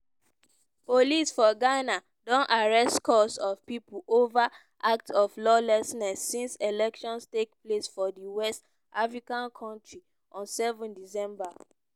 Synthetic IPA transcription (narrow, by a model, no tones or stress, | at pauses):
polisfɔɡana | dõnʔaɹɛstkʰɔsɔvpipulʔova | ʔak̚tɔflɔlɛsnɛsːĩnselɛkʃɔ̃nstekplesfɔdiwɛst | ʔafɹikãnkʰɔ̃ntɹi | ɔ̃nsɛvɔ̃ndisɛ̃mba